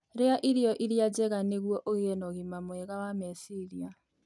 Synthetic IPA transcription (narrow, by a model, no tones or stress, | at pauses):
ɾeaʔiɾijɔʔiɾjad͡ʒɛɣaneɣwɔʔoɣeɛnɔɣimamwɛɣawamɛsiɾia